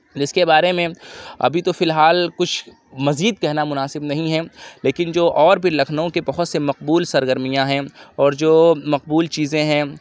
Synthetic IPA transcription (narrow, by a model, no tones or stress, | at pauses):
d͡ʒɪskebaːɾemẽɐ̰bʱit̪ofɪlɦaːlkʊt͡ʃʰ | mɐziːd̪̚kɛɦnamʊnaːsɪbnɐɦĩɦɛleːkɪnd͡ʒoːʔɔːɾbʱilɐkʰnõkebɐɦʊt̪semɐqbuːlsɐɾɡəɾmijãɦɛ̃ɔːɾd͡ʒoːmɐqbuːlt͡ʃiːzẽɦɛ̃